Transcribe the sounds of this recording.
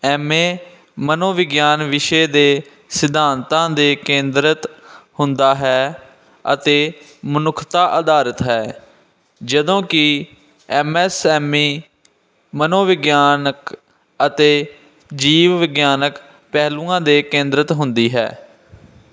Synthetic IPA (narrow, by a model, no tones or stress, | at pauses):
ɛːmeː | mənoːʋɪɡjaːnʋɪʃeːd̪eː | sɪd̪aːnt̪ãːd̪eːkẽːnd̪ɾət̪hʊnd̪aːɦɛː | ə̰t̪eː | mənʊkʰt̪aːʔəd̪aːɾət̪ɦɛː | d͡ʒəd̪õːkɪ | ɛmɛːsɛːmiː | mənoːʋɪɡjaːnək | ət̪eː | d͡ʒiːʋʋɪɡjaːnək | pɛːlũːãːd̪eːkẽːnd̪ɾət̪ɦʊnd̪iːɦɛ̰ː